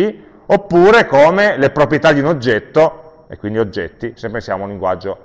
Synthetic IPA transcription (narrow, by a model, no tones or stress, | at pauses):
i | opːuːɾekoːmelepɾopɾjet̪ad̪iunod͡ʒːɛt̪ːo | ekːwind̪iod͡ʒːɛ̰t̪ːisepːensja̰ːmounliŋɡwa̰d͡ʒːo